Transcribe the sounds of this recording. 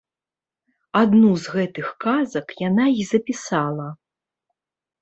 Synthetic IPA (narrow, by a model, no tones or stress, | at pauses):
ad̪nuzɣɛt̪ɨxkazɐkjanaizɐpʲisalˠɐ